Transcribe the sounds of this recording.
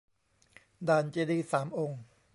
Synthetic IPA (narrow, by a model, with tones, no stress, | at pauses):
d̪aː˧˩nt͡ɕeː˧liː˧˩saː˩˦mʔo˧ŋ